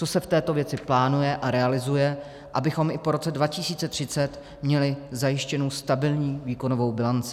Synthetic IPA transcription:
t͡sosɛft̪ɛːt̪o̞vjɛt͡sɪplaːnujɛʔaɾɛalɪzujɛ | ʔabɪxo̞mʔɪpo̞ɾo̞t͡sɛdvacɪsiːt͡sɛt̪r̝̥ɪt͡sɛt̪ | mɲɛlɪzajɪʃcɛnowst̪abɪlɲiːviːko̞novo̞wbɪlant͡sɪ̥

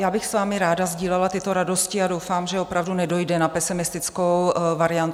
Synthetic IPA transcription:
jaːbɪxsvaːmɪɾaːdazɟiːlɛlat̪ɪt̪o̞ɾado̞scɪadowfaːmʒɛopɾavdunɛdo̞jdɛnapɛsɪmɪst̪ɪt͡skowvaɾɪant̪

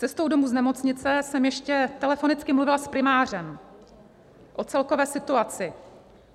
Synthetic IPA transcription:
t͡sɛst̪o̞wdomuːznɛmo̞t͡sɲɪt͡sɛsɛmjɛʃcɛt̪ɛlɛfo̞nɪt͡skɪmluvɪlaspɾɪmaːr̝ɛm | ʔo̞t͡sɛlkovɛːsɪt̪uat͡sɪ

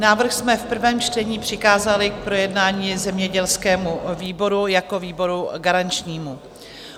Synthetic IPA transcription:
naːvr̩xsmɛfpr̩vɛːmt͡ʃtɛɲiːpr̝̥ɪxkaːzalɪk̚pɾo̞jɛdnaːɲiːzɛmɲɛɟɛlskɛːmuviːbo̞ɾujako̞viːbo̞ɾuɡaɾant͡ʃɲiːmu

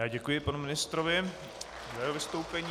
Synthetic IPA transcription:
aːɟɛkujɪpanumɪnɪst̪ɾovɪ | zajɛɦovɪst̪owpɛɲː

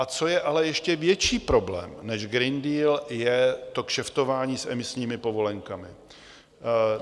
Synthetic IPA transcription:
ʔat͡so̞jɛʔalɛjɛʃcɛvjɛt͡ʃiːpɾo̞blɛ̰ːmnɛʒɡɾɪndiːljɛt̪o̞kʃɛft̪o̞vaːɲiːsɛ̰mɪsɲiːmɪpo̞vo̞lɛŋkamɪ

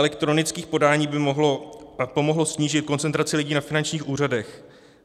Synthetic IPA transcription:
lɛkt̪ɾo̞nɪt͡skiːxpo̞daːɲiːbɪmoɦlopo̞mo̞ɦlo̞sɲiːʒɪt̪̚ko̞nt͡sɛnt̪ɾat͡sɪlɪɟiːnafɪnant͡ʃɲiːxʔuːr̝adɛx

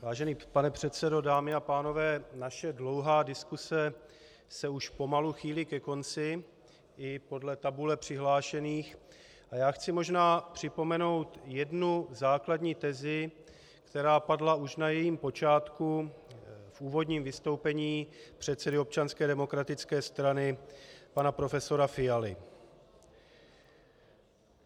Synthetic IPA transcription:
vaːʒɛniːpanɛpr̝̥ɛt̪t͡sɛdo̞daːmɪapaːno̞vɛːnaʃɛdlo̞wɦaːdɪskusɛ | sɛuʃpo̞maluxiːlɪkɛko̞nt͡sɪ | ʔɪpo̞dlɛt̪abulɛpr̥ɪɦlaːʃɛniːx | ʔajaːxt͡sɪmo̞ʒnaːpr̝̥ɪpo̞mɛno̞wt̪jɛdnuzaːkladɲiːt̪ɛzɪ | kt̪ɛɾaːpadlaʔuʃnajɛjiːmpo̞t͡ʃaːt̪ku | fʔuːvo̞dɲiːmvɪst̪o̞wpɛɲiːpr̥ɛt̪t͡sɛdɪop̚t͡ʃanskɛːdɛmo̞kɾat̪ɪt͡skɛːst̪ɾanɪpanapɾo̞fɛso̞ɾafɪjalɪ

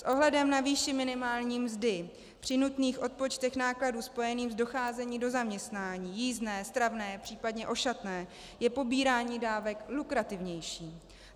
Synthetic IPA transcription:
sʔo̞ɦlɛdɛmnaviːʃɪmɪnɪmaːlɲiːmzdɪ | pr̥ɪnut̪niːxʔo̞t̪̚po̞t͡ʃt̪ɛxnaːkladuːspo̞jɛniːmzdo̞xaːzɛɲiːdo̞zamɲɛst̪naːɲiːjiːznɛːst̪ɾavnɛːpr̝̥iːpadɲɛʔo̞ʃat̪nɛː | jɛpo̞biːɾaːɲiːdaːvɛklukɾat̪ɪvɲɛjʃiː

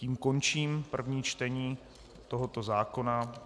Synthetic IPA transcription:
ciːmko̞nt͡ʃiːmpr̩vɲiːt͡ʃt̪ɛɲiː | t̪o̞ɦo̞t̪o̞zaːko̞na

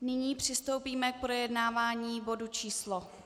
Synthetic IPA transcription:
nɪɲiːpr̝̥ɪst̪owpiːmɛk̚pɾo̞jɛdnaːvaːɲiːbo̞dut͡ʃiːslo

